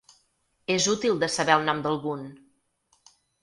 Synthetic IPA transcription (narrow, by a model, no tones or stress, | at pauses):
ezut̪ilˠd̪əsəβɛəlˠnɔmd̪əlˠɣun